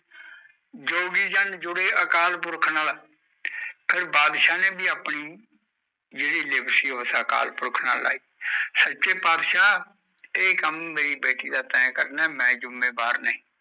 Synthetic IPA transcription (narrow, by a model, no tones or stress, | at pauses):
d͡ʒoːɡiːd͡ʒənd͡ʒʊɽeːʔəkaːlpʊɾkʰnaːl | pʰɪɾbaːd̪ʃaːneːbiːaːpniː | d͡ʒeːɽiːlebsiːəʋəsaːka̰ːlpʊɾkʰna̰ːla̰ːiːsət͡ʃeːpaːd̪ʃaː | eːkəmːeːɾiːbeːʈiːd̪aːt̪ɛ̃ːkəɾnɛːmɛ̃ːd͡ʒʊmːeːbaːɾnəĩː